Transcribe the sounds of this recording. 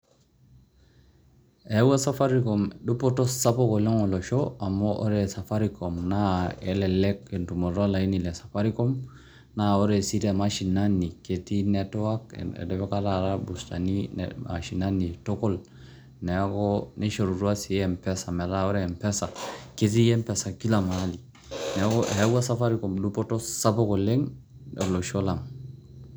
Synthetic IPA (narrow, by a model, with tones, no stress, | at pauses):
e˦wa˦sa˦fa˦ɾikomdu˦po˦to˦sa˦po˦ko˨le˦ŋo˨lo˨ʃoa˨moʔo˦ɾesa˨fa˦ɾikomna˦e˨lɛ˨lɛ˦ke˨ntu˨mo˨ɾa˦la˨i˦ni˨le˨sḁ˨fa˦ɾi˦ko˦m | nao˦ɾe˨si˦ɾia˨maʃi˨nani˨ke˨ti˦netowa˦kḛ˨dɛfe˦ka˦ɾa˨ɾabusta̰nin̰a̰ʃi˨nanitɔkɔl | nɛkɔni˦ʃo˨ɾu˨ɾua˦si˨ɛmpɛsa˨mɛ˨laɔ˦ɾɛmpɛsa˨ke˦ti˦jɛ˦mpɛsa˨ki˦lama˦li | nɛ˨kɔ˨he˦ɡwa˦sa˦fa˦ɾikɔmdupɔ˦tosa˦pɔ˦koleŋɛ˨lo˨ʃo˦la˨ŋ